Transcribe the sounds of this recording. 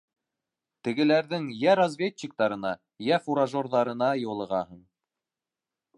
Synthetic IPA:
t̪ɘ̆ɡɘ̆læɾðɘŋjæɾɐzvʲet͡ɕːik̚t̪ɑɾɤ̆nɑ | jæfuɾaʒorðɑɾɤ̆nɑjɤ̆lˠɤ̆ʁɑɦɤɴ

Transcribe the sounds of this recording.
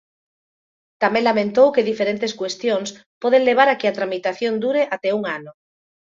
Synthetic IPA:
t̪amẽŋlamẽnt̪owkeðifeɾent̪eskwest̪joŋspɔð̞eŋleβ̞aɾakeat̪ɾamit̪aθjond̪uɾeʔat̪ɛuŋanʊ

